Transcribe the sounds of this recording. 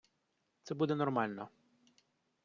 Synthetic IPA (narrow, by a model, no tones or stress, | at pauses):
t̪sɛbud̪ɛnɔrmɑlʲnɔ